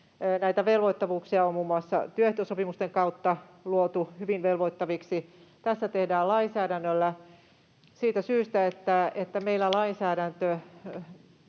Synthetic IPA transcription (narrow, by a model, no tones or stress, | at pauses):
næit̪æʋelʋoit̪ːɑʋuːksiɑommuːmːuɑsːɑ̰t̪yøht̪ːˑøsopimust̪eŋkɑut̪ːɑluot̪uhyʋiʋʋelʋoit̪ːɑʋiksit̪æsːæt̪ehdæːlɑinsæːɾænːølːæ | siːt̪æsyːst̪æet̪ːæet̪ːæmeilːælɑinsæːɾænt̪ø